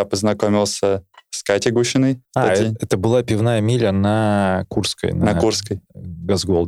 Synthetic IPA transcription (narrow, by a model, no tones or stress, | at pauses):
apəznɐkomʲɪlˠsʲəskatʲɪɡuɕɪnəjaaiɛt̪əbɨlˠapʲɪvnajəmʲilʲənɐkurskə̰jnɐɐkurskəjɡɐzɡolˠd̪